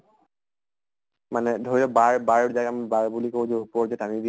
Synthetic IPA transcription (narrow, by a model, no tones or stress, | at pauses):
manɛdʱoɹilɔbaɹbaɹzakambaɹbulikozɔpɔzɛtamidi